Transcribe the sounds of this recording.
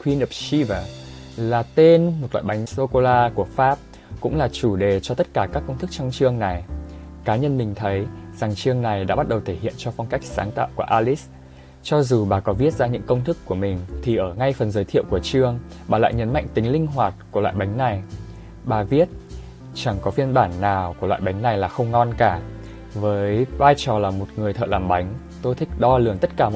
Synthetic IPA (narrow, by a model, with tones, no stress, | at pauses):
kwi˧nʔə˨p̚si˧və˨˩ | laː˨˩t̪e˧nmo˨˩t̚lwa̰ː˧˨jɓa˨˦ŋso˧ko˧laː˧ku˧˩əfaː˦˥p̚ | kʊ̰˧˥ŋ͡mlaː˨˩t͡ɕu˧˩ɗe˨˩t͡ɕɔ˧t̪ə˦˥t̚kaː˧˩kaː˦˥kːə˧wŋ͡mt̪ʰɨ˦˥k̚t͡ɕɔ˧wŋ͡mt͡ɕɨ˧əŋna˨˩j | kaː˨˦ɲə˧nmï˨˩ŋ̟t̪ʰə˨˦jz̥a˨˩ŋt͡ɕɨ˧əŋna˨˩jɗa̰ː˧˥ɓa˦˥t̚ɗə˨˩wt̪ʰe˧˩hḭ˧˨ənt͡ɕɔ˧fɔ˧wŋ͡mka˦˥jk̟̚saː˨˦ŋt̪a̰ː˧˨wku˧˩əʔaː˧li˦˥s | t͡ɕɔ˧zu˨˩ɓaː˨˩kɔ˨˦vi˦˥ət̚zaː˧ɲɨ̰˧˥ŋkə˧wŋ͡mt̪ɨ˦˥kːu˧˩əmï˨˩ŋ̟t̪ʰi˨˩ʔəː˧˩ŋa˧jfə˨˩nzəː˨˦jt̪ʰi˧˨ə˨wku˧˩ət͡ɕɨ˧əŋ | ɓaː˨˩la̰ː˧˨jɲə˨˦nma̰˧˨jŋ̟t̪ï˨˦ŋ̟lï˧ŋ̟ɦwaː˨˩t̚ku˧˩la̰ː˧˨jɓa˨˦jŋ̟na˨˩j | ɓaː˨˩vi˦˥ət̚ | t͡ɕa˧˩ŋkɔ˨˦fi˧ənɓaː˧˩nːaː˨˩wku˧˩əlwa̰ː˧˨jɓa˨˦jŋ̟na˨˩jlaː˨˩xə˧wŋ͡mŋɔ˧nkaː˧˩ | vəː˨˦jvaː˧jt͡ɕɔ˨˩laː˨˩mo˨˩t̚ŋɨ˨˩əjt̪ʰə̰ː˧˨laː˨˩mɓa˨˦jŋ̟ | t̪o˧jt̪ʰï˦˥k̚ɗɔ˧lɨ˨˧˩əŋt̪ə˦˥t̚kaː˧˩